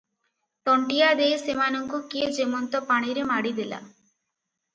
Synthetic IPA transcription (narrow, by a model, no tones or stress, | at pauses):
ʈ̪ɔɳʈijad̪eesemanɔŋkuked͡ʒemɔnt̪ɔpaɽ̃iɾemaɽid̪ela̰